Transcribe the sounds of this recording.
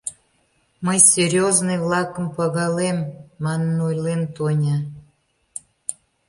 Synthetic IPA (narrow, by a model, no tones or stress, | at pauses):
məjsʲerʲjoznɨjβlɑkəmpɑɣɑlemːɑnənojlent̪onʲɑ